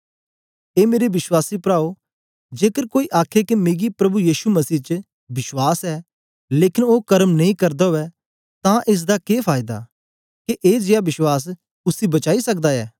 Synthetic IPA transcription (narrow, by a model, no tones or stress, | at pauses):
eːmeːɾebɪswaːsipɾaːo | d͡ʒeːkəɾkoːiʔaːkʰekemeːɡipɾɐbujiːʃumɐsiːt͡ʃə | bɪswaːsɛː | leːkɪnoːkɐɾəmnɐĩkɐɾd̪aɦoɛ | t̪ãʔeːs̬d̪akeːpʰaːɪd̪a̰ | keʔeːd͡ʒɪjabɪswaːs̬ | ʊsibɐt͡ʃaːisɐk̚d̪aɛ̰ː